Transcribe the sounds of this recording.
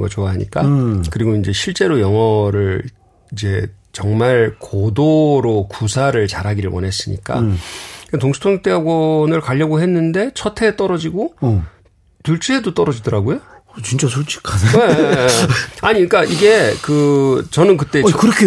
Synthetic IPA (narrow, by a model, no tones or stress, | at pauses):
ɡʌt͡ɕoaɦaɲḭk͈akɯɾiɡoind͡ʑe̞ɕʰiɭt͡ɕ͈e̞ɾojʌŋʌɾɯɭ | id͡ʑe̞t͡ɕʌŋmaɭkodoɾokusʰaɾɯɭt͡ɕaɾɦaɡiɾɯɭwʌ̰ne̞s͈ɯɲḭk͈a̰ɯetoŋsʰu̥tʰoŋt͈eaɡwʌnɯɭkaʎːʌɡoɦe̞nːɯnde̞t͡ɕʰʌtʰe̞ːt͈ʌɾʌd͡ʑiɡo | tuɭt͡ɕʰeedot͈ʌɾʌd͡ʑidʌɾaɡojo | t͡ɕint͡ɕasʰot͡ɕʰi̥kʰae | aɲik͈aʔiɡe̞kɯt͡ɕʌnɯnkɯt͈e̞kɯɾʌkʰe